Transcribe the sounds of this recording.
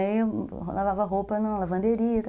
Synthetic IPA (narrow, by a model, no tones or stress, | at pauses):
ẽj̃ | lavavɐɦopɐnũlɐvɐ̃nd̪eɾiɐt̪